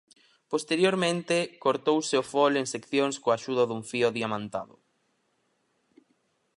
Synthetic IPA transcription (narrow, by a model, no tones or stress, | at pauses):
post̪eɾjoɾmẽnt̪ɪkoɾt̪owseofoleŋsekθjoŋskoaʃuðɐðuɱfioðiamãnt̪a̰ðʊ̰